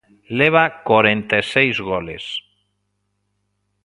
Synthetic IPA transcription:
leβ̞akaɾent̪esejzɣɔles

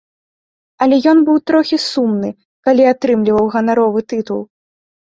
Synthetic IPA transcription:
ɐlʲɛjɔnbɨwt̪ɾɔxʲisumnɨ | kalʲiat̪ɾɨmlʲivɐwɣɐnaɾɔvɨt̪ɨt̪ṵlˠ

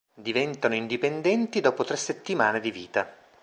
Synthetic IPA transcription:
d̪ivɛnt̪anoind̪ipend̪ɛnt̪id̪ɔːpot̪ɾesːet̪ːimaːned̪iviːt̪a

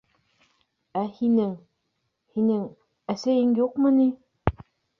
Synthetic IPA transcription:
æhinɘŋ | hinɘŋ | æsæjɘŋjuqmɤni

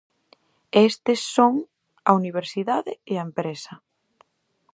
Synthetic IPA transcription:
est̪ɪsːoŋ | ɐ̰uniβ̞eɾsiðaðɪeɐempɾesɐ

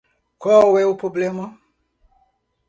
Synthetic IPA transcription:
kɔwɛupɾoblɛmã

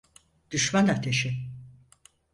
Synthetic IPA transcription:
d̪̥yʃmanat̪ʰeʃɪ

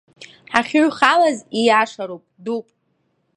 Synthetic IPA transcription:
ħaχʲuɥχalazijaʂaɾowpʼdupʼ

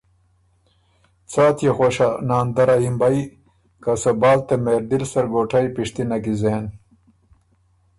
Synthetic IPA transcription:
t͡saːt̪jexoɕanaːnd̪ɐɾaimbaj | kasɐbaːlt̪emeːɾd̪ilsɐɾɡoːʈʰajpiʂt̪inɐɡizeːn

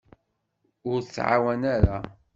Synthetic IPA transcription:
ʊɾət͡sːʕa̰wænaɾa

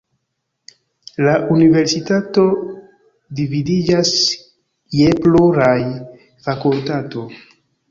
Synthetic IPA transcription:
laʔunive̞ɾsitato̞ | dividid͡ʒas | jeploɾaj | fakultato̞

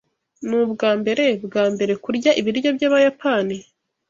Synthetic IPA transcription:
nubɡaːmbe̞ɾe̞bɡaːmbe̞ɾe̞kuɾɟaʔiβiɾjo̞bjaːβajapani

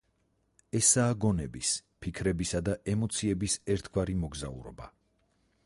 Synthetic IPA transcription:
ɛsaːɡɔnɛbispʰikʰɾɛbisad̪aʔɛmɔt̪sʰiɛbisɛɾt̪ʰɡwaɾimɔɡza̰ṵɾɔ̰ba

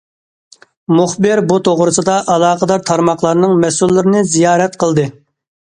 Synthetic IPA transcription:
mʊχbɨɾbut̪ʰoʁɾɨsɨd̪ɑʔɑlˠɑːqəd̪ɑɾt̪ʰɑɾmɑχlˠɑɾnɨŋmɛsylːɨɾɪnɨzijɑːɾɛt̪qəlˠd̪ɨ

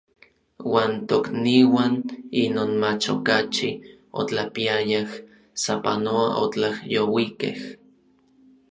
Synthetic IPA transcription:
waːnt̪okniwaninoːnmat͡ʃo̰kat͡ʃi | o̰t͡ɬapiajah | sapa̰noaʔo̰t͡ɬahjowikḛh

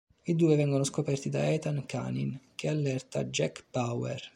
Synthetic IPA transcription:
id̪uːevɛŋɡonoskopɛrt̪id̪aɛt̪ankʰa̰nḭnk̟ealːɛrt̪ad͡ʒɛkpawɛ̰r

